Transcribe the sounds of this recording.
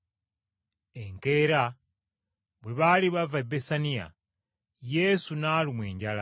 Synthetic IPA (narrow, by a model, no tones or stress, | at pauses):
eŋke̞ːɾa | βwe̞βaliβavaebesanija̰ | je̞sunaːlumwe̞̰ːɲɟala